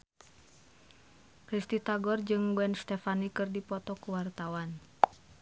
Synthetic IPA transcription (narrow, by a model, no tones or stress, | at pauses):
kɾist̪it̪aɡɔrd͡ʒɨŋbɛnst̪ɛfanikɨrdipɔt̪ɔkuwart̪awan